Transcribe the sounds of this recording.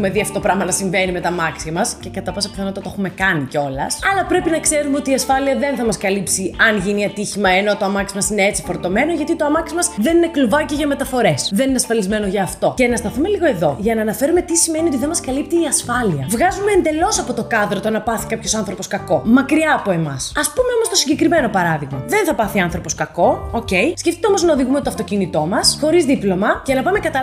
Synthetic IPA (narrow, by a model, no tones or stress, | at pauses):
xume̞ðiɐft̪o̞pɾɐmɐnɐsiɱve̞nime̞t̪ɐmɐksiɐmɐsce̞kɐt̪ɐpɐsɐpiθɐnot̪ɐt̪xume̞kɐniceo̞lɐ̰sɐlɐpɾe̞pinɐkse̞ɾumeot̪iːɐsfɐliɐðe̞nθɐmɐskɐlipsiɐnʝiniɐt̪içimɐeno̞t̪oɐmɐksimɐsine̞et͡si̥fo̞ɾt̪o̞me̞no̞ʝɐt̪it̪oɐmɐksimɐzðe̞nine̞kluvɐcoʝɐme̞t̪ɐfo̞ɾe̞sðenineɐsfɐlizme̞noʝɐːft̪o̞ce̞nɐst̪ɐθume̞liɣo̞e̞ðo̞ʝɐnɐːnɐfe̞ɾume̞t̪isimeniot̪iðemɐskɐlip̚t̪iːɐsfɐliɐvɣɐzume̞ːnd̪e̞lo̞sɐpo̞t̪o̞kɐðɾo̞t̪onɐpɐθi̥kɐpço̞sɐnθɾo̞po̞skɐko̞mɐkɾiɐːpoemɐ̰sɐspume̞omo̞st̪o̞siɲɟekɾime̞no̞pɐɾɐðiɣmɐðe̞nθɐpɐθiɐnθɾo̞po̞skɐko̞oce̞jsceft̪it̪eo̞mo̞znɐoðiɣumet̪oɐft̪o̞cinit̪o̞mɐsxo̞ɾizðiplo̞mɐcenɐpɐme̞kɐt̪ɐ